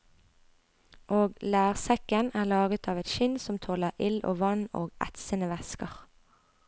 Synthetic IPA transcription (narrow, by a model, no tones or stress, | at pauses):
ʔoːɡlæːʁsɛkənæːʁlɑːɡət̪ʰɑːʋɛt̪ʃɪnsɔmt̪ʰoːləʁʔɪlo̰ːʋɑno̰ːɡʔæ̰t̪sənəʋɛskəʁ